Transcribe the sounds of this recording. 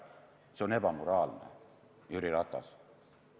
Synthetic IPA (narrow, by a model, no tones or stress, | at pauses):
seo̞ne̞bɑmoɾɑːlnḛ | jyɾiɾɑt̪ːˑɑ̰s